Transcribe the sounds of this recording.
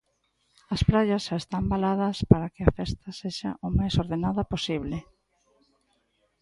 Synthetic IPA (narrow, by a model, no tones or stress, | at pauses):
ɐspɾaʎɐsʃaest̪ambalað̞ɐspaɾɐkɪɐfɛst̪ɐseʃa̰ʔomajsoɾðenaðɐposiβlɪ